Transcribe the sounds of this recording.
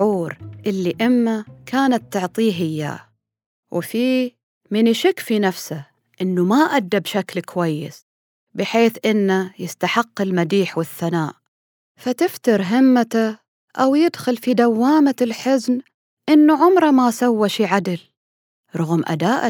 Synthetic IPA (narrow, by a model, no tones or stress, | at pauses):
ʕuːɾʔɪlːiʔɪmːakʰaːnat̪ːʊʕt̪ˤiːɦɪjːa̰ | wɪfi | mɪnɪʃɪkfinafsa | ʔɪnːumaʔad̪ːabʃaklkwajːɪ̰s | bɪħeːθʔɪnːajɪst̪aħɪqːɪlmad̪iːħwɪθːanaːʔ | fat̪ɪft̪ɑɾˤɦɪmːat̪a | ʔawjɪd̪xʊlfid̪awːaːmaɪlħɪzn | ʔɪnːuʕʊmɾˤɑmasawːaʃiʕad̪ɪl | ɾˤʊɣmʔa̰d̪aːʔ